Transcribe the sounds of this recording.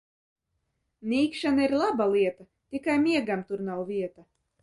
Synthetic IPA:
nʲiːkʃanaiɾlˠabalˠiɛt̪a | t̪ʲikajmʲiɛɡamt̪uɾnawvʲiɛt̪a

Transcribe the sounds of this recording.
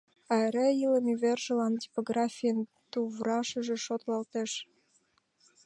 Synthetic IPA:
ɑeɾɑiləmeβerʒə̆lɑntʲi̥poɣrɑfʲijən | t̪uβrɑʃə̆ʒĕʃot̪lɑlt̪eʃ

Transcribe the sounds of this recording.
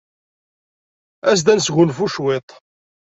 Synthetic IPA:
æs̬d̪ænsɣʊnfuʃwet̪ˤ

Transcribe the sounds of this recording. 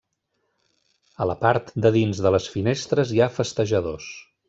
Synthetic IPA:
ələpaɾt̪d̪əðinzðələsfinest̪ɾəziafəst̪əʒəðos

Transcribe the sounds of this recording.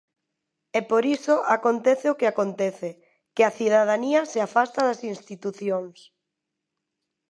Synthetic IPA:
ɛpoɾisoʔakont̪ɛθɪokeakont̪ɛθe | kɪaθiðað̞aniɐseafast̪aðɐsinst̪it̪uθjoŋs

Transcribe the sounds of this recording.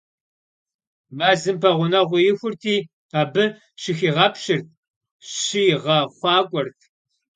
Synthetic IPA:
maːzɨmpʰɐʁʷʊnɐʁʷʊjɪxʷʊrtʰiː | aːbɨ | ʃɪxiːʁɐpɕɪrt̚ʰ | ɕijʁɐχʷɑːkʷʼɔrtʰ

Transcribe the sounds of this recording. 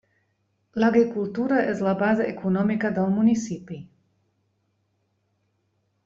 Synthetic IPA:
laɡɾikult̪uːɾaʔɛzlabazɛʔekʰunɔmikad̪almunisipi

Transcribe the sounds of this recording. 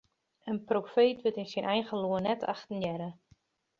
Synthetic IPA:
ənprofeːtʋətɪnsinʔɛjɣəluənɛtʰa̰xtənjɛɾə

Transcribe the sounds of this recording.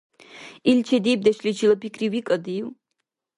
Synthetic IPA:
ilt͡ʃʰɛdiːp̚dɐʃlit͡ʃʰilɐpʰikʰriwikʼɐdiːw

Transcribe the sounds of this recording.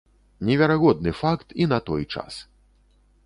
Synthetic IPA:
nʲɛvʲaɾaɣɔd̪̚nɨfakt̪inɐt̪ɔjt͡ʂa̰s

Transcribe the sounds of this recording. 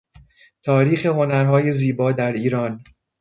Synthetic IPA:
t̪ʰɒːɾiːxe̞ho̞næɾɦɒːje̞ziːbɒːd̪æɾiːɾɒːn

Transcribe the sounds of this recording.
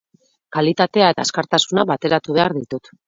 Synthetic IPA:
kalit̪at̪e̞ae̞t̪a̰skaɾt̪asunaβat̪e̞ɾat̪uβe̞aɾðit̪ut̪

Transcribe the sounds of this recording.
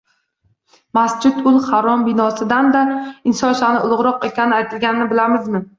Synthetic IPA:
masd͡ʒɪt̪ʊlˠhaɾɒmbɪnɒsɪd̪and̪aɪnsɒnsanɪʊlˠʊʁɾɒqe̞kʲanɪajt̪ʰɪlɡʲanɪnɪbɪlamɪzmɪ

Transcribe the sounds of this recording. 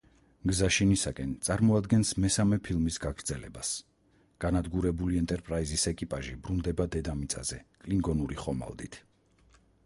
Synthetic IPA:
ɡzaʃinisakʼɛnt̪sʼaɾmɔad̪ɡɛnsmɛsamɛpʰilˠmisɡaɡɾd̪zɛlɛ̰bas | ɡ̥anad̪ɡuɾɛbuliɛnt̪ʼɛɾpʼɾaizisɛkʼipʼaʒibɾund̪ɛbad̪ɛd̪amit̪sʼa̰z̥ɛkʼliŋɡɔnuɾiχɔma̰lˠd̪it̪ʰ

